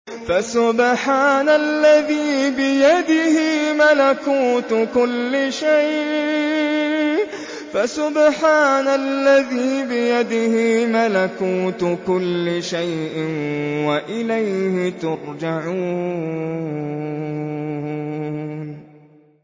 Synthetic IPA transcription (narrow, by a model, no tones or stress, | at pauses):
fasʊbħaːnalːaðiːbɪjad̪ɪhɪmalakuːt̪kʊlːɪʃajʔ | fasʊbħaːnalːaðiːbɪjad̪ɪhɪmalakuːt̪kʊlːɪʃajʔɪnwaʔɪlajhɪt̪ʊɾˤd͡ʒaʕuː | n